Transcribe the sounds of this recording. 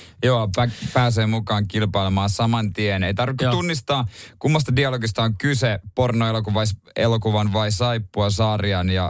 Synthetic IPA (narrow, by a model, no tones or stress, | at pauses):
joːpæpæːs̬eːmukɑːŋkilpɑilemɑːnsɑmɑnt̪ieneit̪ɑrʋikːut̪unːist̪ɑːkumːɑst̪ɑdiɑloɡist̪ɑoŋkysepornoelokuʋɑis | ḛlokuʋɑnʋɑisɑipːuɑsɑːriɑnjɑ